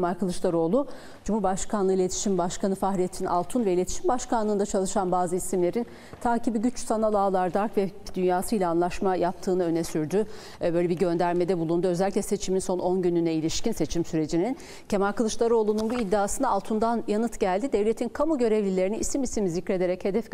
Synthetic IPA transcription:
emaɾkɯlˠɯʃlˠaɾo̞ːlˠu | d͡ʒumhuɾbaʃkʰanɯilʲe̞t̪ʰi̥ʃimbaʃkanɯfaxɾijet̪ʰina̰lˠt̪ʰunvɛilʲet̪ʰi̥ʃimbaʃkanlˠɯːnd̪at͡ʃʰalˠɯʃanbaːzɯisimlʲe̞ɾin | t̪ʰaːcibiɟyt͡ʃsanalˠaːlˠaɾd̪aɾkvɛd̪ynjaːsɯjlʲaːnlˠaʃmajap̚t̪ʰɯːnaø̞nɛsyɾd̪y | bø̞jlʲebiɟø̞nd̪æɾme̞d̪ɛbulˠund̪uø̞zɛlʲːiclʲɛse̞t͡ʃʰiminso̞nʔo̞nɟynynɛilʲiʃcinse̞t͡ʃʰimsyɾe̞d͡ʒinin | cʰe̞maɾkʰalˠɯʃlˠaɾo̞ːlˠununbuid̪ːaaːsɯnaːlˠt̪ʰund̪anjanɯt̪ɟælʲd̪id̪evlʲe̞t̪ʰinkʰamuɟø̞ɾevlʲilʲe̞ɾiniʔisimisimizicɾe̞d̪e̞ɾɛche̞d̪ɛf

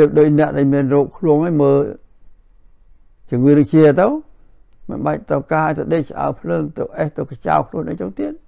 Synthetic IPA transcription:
əp̚ɗoːc̚nɛ̆əʔɗaːlmiənrɔːp̚kʰluəŋaːjməː | t͡ɕɨəŋʋiənɨŋt͡ɕiət̪ɨw | mɨnɓac̚t̪əwkaːaːjt̪ɨwɗeːt͡ɕʔa̰ɔwpʰləːŋt̪ɨ̰wʔeht̪ɨwkat͡ɕa̰wkʰluənʔajt͡ɕoŋt̪iət̪̚

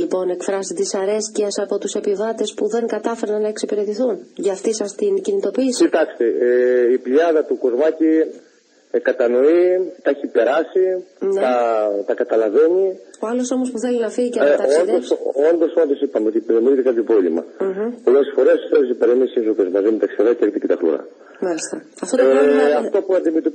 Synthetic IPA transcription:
lipo̞ne̞kfɾɐsit̪isɐɾe̞sciɐsɐpo̞t̪use̞pivɐt̪e̞spuðe̞ŋkɐt̪ɐfe̞ɾɐnːɐeksipiɾe̞t̪iθunʝɐːft̪isɐst̪incinit̪o̞piːsiit̪ɐkst̪eipʎɐðɐt̪uko̞zmɐci | kɐt̪ɐno̞it̪ɐeçipe̞ɾɐsinɐt̪ɐkɐt̪ɐlɐve̞ɲioɐlo̞so̞mospuθe̞linɐfiɣiceɐond̪oso̞nd̪o̞so̞nd̪o̞sipɐmeot̪ipeɾeminit̪ekɐpço̞pɾovlimɐ̰polesfo̞ɾe̞sθelisipeɾemisinsokozmɐzimet̪ɐksi̥ɐðeɐkt̪icit̪ɐxlṵɾɐ̰ | mɐlist̪ɐ | ɐft̪oeɐft̪opuɐnd̪imet̪o

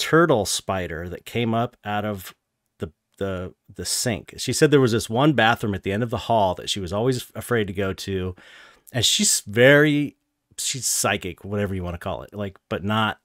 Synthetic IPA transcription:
tʰɜ˞ɾl̩ˠspaɪɾə̰˞ðɨt̚kʰẽɪ̃mʌpʔaʊɾʌv | ðɨ | ðə | ðɨsɪ̰̃ŋkʃisɛd̪̚ðə˞wʌzðɪst̚wʌ̃nbæθɹɨ̃mɨt̪̚ðiɛ̃ndʌvðəhɔlˠðɨ̰tʃiwʌzɔlˠwizɨfɹeɪd̚tɨɡoʊɾʉ | ɨ̃nʃiz̥vɛɹi | ʃiz̥saɪkɪkwʌɾɛvə˞jɨwɑ̃ñɨkʰɔ̰lˠɪ̰t̚laɪk̚b̥ʌtⁿnət̚

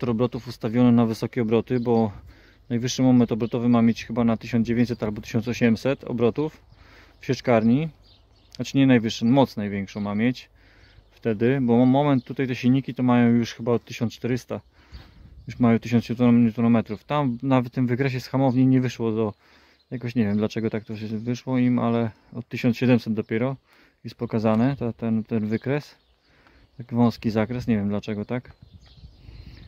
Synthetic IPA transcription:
t̪ɔɾɔbɾɔt̪ufust̪avʲjɔnɛnavɘsɔkʲɛɔbɾɔt̪ɘbɔ | najvɘʂːɘmɔmɛnt̪ɔbɾɔt̪ɔvɘmamʲjet͡ɕxɘbanat̪ɘɕɔnd͡ʑevʲẽɲt͡ɕsɛt̪albɔt̪ɘ̥ɕɔnsɔɕɛmsɛt̪ʰɔ̰bɾɔt̪uf | fɕɛt͡ʂkaɾɲi | at͡ɕɲɛnajvɘʂːɛnmɔt̪snajvʲjɛŋkʂɔ̃w̃mamʲjet͡ɕ | ft̪ɛd̪ɘbɔmɔmɛnt̪ːut̪ajt̪ɛɕilʲɲikʲit̪ɔmajɔ̃w̃juʂxɘbaɔt̪ːɘɕɔ̃nt͡ʂt̪ɛɾɘst̪a | juʂmajɔw̃t̪ɘɕ̬ɔnt̪ɛt̪ɛt̪ɔnɔmɛt̪ɾuft̪amnavɛt̪ːɘmvɘkɾɛɕ̬ɛsxamɔvɲeɲɛvɘʂwɔd̪ɔ | jakɔɕɲɛvʲjɛmd̪lat͡ʂɛɡɔt̪ak̚t̪ɔʂɛvɘʂwɔima̰lɛ | ɔt̪̚ːɘɕɔnsɕɛd̪ɛmsɛd̪̚d̪ɔpʲjɛɾɔ | jɛst̪̚pɔkazanɛt̪at̪ɛnt̪ɛnvɘkɾɛs | t̪akʲivɔ̃w̃skʲizakɾɛsɲɛvʲjɛmd̪lat͡ʂɛɡɔt̪ak

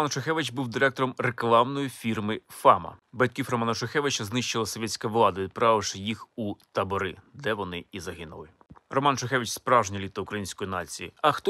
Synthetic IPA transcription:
ɔmɑnt͡ʃexɛʋɪt͡ʃbuwd̪ɪɾɛk̚t̪ɔɾɔmreklˠɑwnɔjifʲirmɪfɑmɐ̰bɐt̪ʲkʲifɾɔmɑnɐt͡ʃexɛʋɪt͡ʃɐznɪʃt͡ʃɪlˠɐsɔʋʲɛtʲt͡sʲkɐʋlˠɑd̪ɐʋʲid̪̚pɾɑʋɪʂɪjixut̪ɐbɔɾɪd̪ɛʋɔnɪizɐɦɪnʊ̰lˠɪ | rɔmɑnt͡ʃexɛʋʲit͡ʃspɾɑʒɲʲɐlʲit̪ɐʊkɾɐjinʲsʲkɔjinɑt͡sʲijḭɐxt̪ɔ

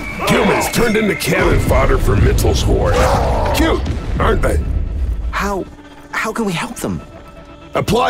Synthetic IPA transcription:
hʰjʉmɨ̃nz̥tʰɜ̃˞ndɪ̃ntʉkʰælɨ̃nfɑɾə˞fə˞mɪtʰˡl̩ˠz̥hɔɹkʰj̥ʉt̚ʔɑɹnðeɪ | haʊ | haʊkə̃nwiɦɛlˠp̚ðə̃m | ʔəpʰl̥aɪ

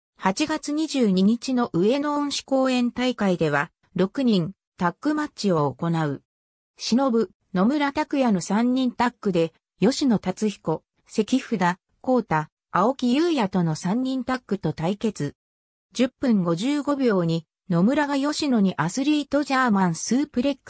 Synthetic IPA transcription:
hat͡ɕiɡat͡sɨɲ̟iʑɨːɲ̟iɲ̟it͡ɕino̞ʔɯ̟e̞nõ̞ːɰ̃ɕi̥ko̞ːẽ̞nt̪aikaid̪e̞βa | ɾo̞kɯ̟ɲ̟ĩn | t̪akːɯ̟matɕio̞ːko̞naɯ̟ | ɕino̞bɯ̟ | no̞mɯ̟ɾat̪akɯ̟janosãɲ̟ːĩnt̪akːɯ̟d̪e̞ | jo̞ɕino̞t̪at͡sɨçi̥ko̞ | se̞kʲiɸɯ̟d̪a | ko̞ːt̪aː | o̞kʲijɯ̟ːjat̪o̞no̞sãɲ̟ːĩnt̪akːɯ̟t̪o̞t̪aike̞t͡sɨ | d͡ʑɨpːɯ̟̃ŋɡo̞ʑɨːɡo̞bʲo̞ːɲ̟i | no̞mɯ̟ɾaɡajo̞ɕino̞ɲ̟iʔasɨɾʲiːt̪o̞ʑaːmãɰ̃sɨːpɯ̟ɾe̞kːɯ̥

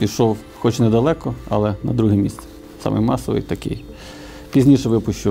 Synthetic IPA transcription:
pʲiʃɔw | xɔt͡ʃnɛd̪ɐlˠɛkɔɐ̰lˠɛnɐd̪ɾuɦɛmʲist̪sɛ̥ | sɑ̰mʔɪ̰jmɑsɔʋɪ̰jt̪ɐkɪ̰j | pʲizʲnʲiʃɛʋɪpʊʃt͡ʃʊ

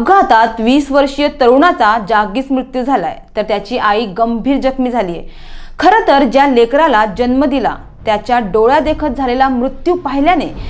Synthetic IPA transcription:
əɡʱat̪at̪ʋiːsʋəɾʂjət̪əɾuɳat͡sad͡ʑaɡiːsmɾut̪jud͡zʱala̰jt̪əɾt̪jat͡ɕiːʔaiːɡəmbʱiːɾd͡ʑəkmiːd͡zʱaliːjḛ | kʰəɾət̪əɾd͡ʑjalekɾalad͡ʑənməd̪ila̰ | t̪jat͡ɕjaɖoɭjad̪ekʰət̪̚d͡zʱalelamɾut̪juːpaɦiljane

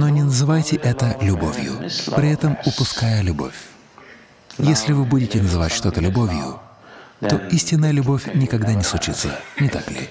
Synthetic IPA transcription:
no̞nʲɪnəzɨvajtʲɪʔɛt̪əlʲʊbo̞̰vʲjʊ̰pɾʲɪɛt̪əmʊpʊskajəlʲʊbo̞̰fʲ | jesʲlʲɪvɨbudʲɪtʲɪnəzɨva̰tʲʂt̪o̞t̪əlʲʊbo̞vʲjʊ̰ | t̪o̞isʲtʲɪnːəjəlʲʊbo̞fʲnʲɪkɐɡd̪anʲɪslˠʊt͡ɕit̪sə̰nʲɪt̪a̰klʲɪ̰

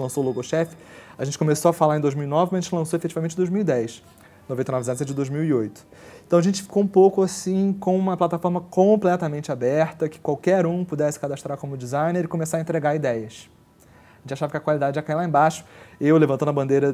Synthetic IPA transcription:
ɪlɐ̃sowloɡoʃɛfɪ̥aʒẽnt͡ʃɪ̥komesoɐfalaɾẽd̪ojzmiwinɔvɪɐʒẽnt͡ʃɪlɐ̃sowefet͡ʃivaɐmẽnt͡ʃɪ̃d̪ojzmiwid̪ɛjʃ | novẽt̪ejnɔvɪzẽt̪sẽd͡ʒɪd̪ojzmiwiojt̪ʊ̥ | ẽt̪ɐ̃w̃ɐʒẽnt͡ʃɪ̥fi̥koũpowkʊasĩkõũmɐplat̪afɔɾmɐkõplɛt̪ɐmẽnt͡ʃɪabɛɾt̪ɐkɪ̥kwawkɛɾũpud̪ɛsɪ̥kad̪aʃt̪ɾaɾkõmʊd͡ʒizãj̃neɾɪkõmesaɾɐẽnt̪ɾeɡaɾid̪ɛjɐs | ʒẽnt͡ʃaʃavɐkɪɐkwalid̪ad͡ʒɪɛkailaẽbaʃʊ̥ewlevɐ̃t̪onɐbɐ̃nd̪ejɾɐ

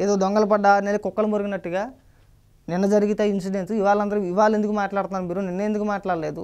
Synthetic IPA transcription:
eːd̪oːd̪ɔŋɡɐlɐpɐɖːanelːikɔkːɐlɐmoɾuɡinɐʈːuɡaː | nɪnːɐd͡ʒɐɾiɡit̪einsiɖe̞nsiʋaːɭɐnd̪ɐɾuiʋaːle̞nd̪ukumaːʈlaːɽt̪unːaːnumiːɾuninːeːnd̪ukumaːʈlaːɽɐle̞ːd̪ṵ

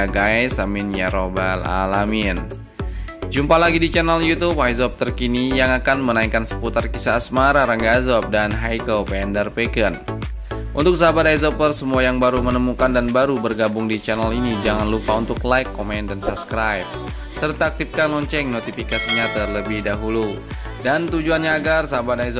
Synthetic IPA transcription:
aɡajsaminjaɾobala̰lamin | d͡ʒumpalaɡidit͡ʃɛnaljut̪upajzɔp̚t̪ərkinijaŋakanmənaikansə̥put̪arkisaːsmaɾaɾaŋɡazɔp̚danɦajkəpɛɛndərpɛkən | ʔṵnt̪ʊk̚sabat̪ajzɔpərsəmuajaŋbaɾumənəmukandanbaɾubərɡabʊŋdit͡ʃɛnalinid͡ʒaŋanlupaunt̪ʊklaikːomɛndansap̚skɾajp̚ | sərt̪aːk̚t̪if̚kanlɔɲt͡ʃɛŋnot̪ifikasiɲat̪ərləbɪhdaɦulu | dant̪ud͡ʒuanɲaːɡarsabat̪az

